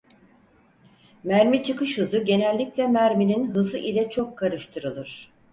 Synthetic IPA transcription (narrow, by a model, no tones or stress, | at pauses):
mæɾmit͡ʃʰɯkɯʃhɯzɯɟe̞nɛlʲːiclʲɛmæɾmininɦɯzɯʔilʲɛt͡ʃʰo̞kʰːaɾɯʃt̪ʰɯɾɯlˠɯɾ̝̥